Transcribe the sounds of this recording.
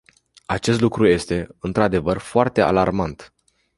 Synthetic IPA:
at͡ʃe̞st̪lukɾuje̞st̪e̞ɨnt̪ɾad̪e̞vərfoart̪e̞a̰larmant̪

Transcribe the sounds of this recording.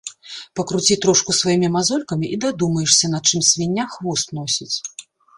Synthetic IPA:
pɐkɾut͡sʲit̪ɾɔʂkusvajimʲimazɔlʲkɐmʲiʔid̪ad̪umɐjɛʂsʲɐnɐt̪̚t͡ʂɨmsʲvʲinʲːaxvɔst̪̚nɔsʲit͡sʲ

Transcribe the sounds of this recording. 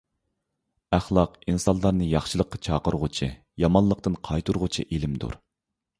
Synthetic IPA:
æχlˠɑqinsɑnlˠɑɾnɨjɑχʃɨlˠəqʰːɑt͡ʃʰɑːqəɾʁʊt͡ʃʰɨ | jɑmɑnlˠːəq̚t̪ɨnqʰɑjt̪ʰuɾʁʊt͡ʃʰḭʔelɪmd̪ṵɾ

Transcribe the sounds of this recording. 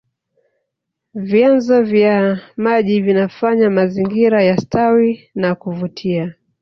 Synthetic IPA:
vjanzɔvjamaʄivinafaɲamaziŋɡiɾajastʰawinakuvutʰia

